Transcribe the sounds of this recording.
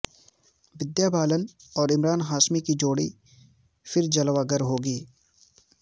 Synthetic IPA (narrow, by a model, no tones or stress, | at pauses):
ʋɪd̪jaːbaːlənɔːɾɪmɾaːnɦaːʃmikid͡ʒoːɽi | fɪɾd͡ʒɐlʋaːɡəɾɦoːɡiː